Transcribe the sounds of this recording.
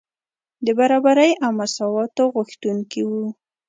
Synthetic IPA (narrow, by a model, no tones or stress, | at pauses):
d̪əbaɾɑbaɾəjʔawmasɑwɑt̪oɣuxt̪uŋkiwu